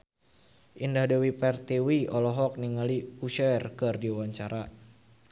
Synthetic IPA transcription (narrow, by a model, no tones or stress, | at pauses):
ʔindahdɛwipɛrt̪iwiɔlɔɦɔk̚niŋaliuʃɛrkɨrdiwaɲt͡ʃaɾa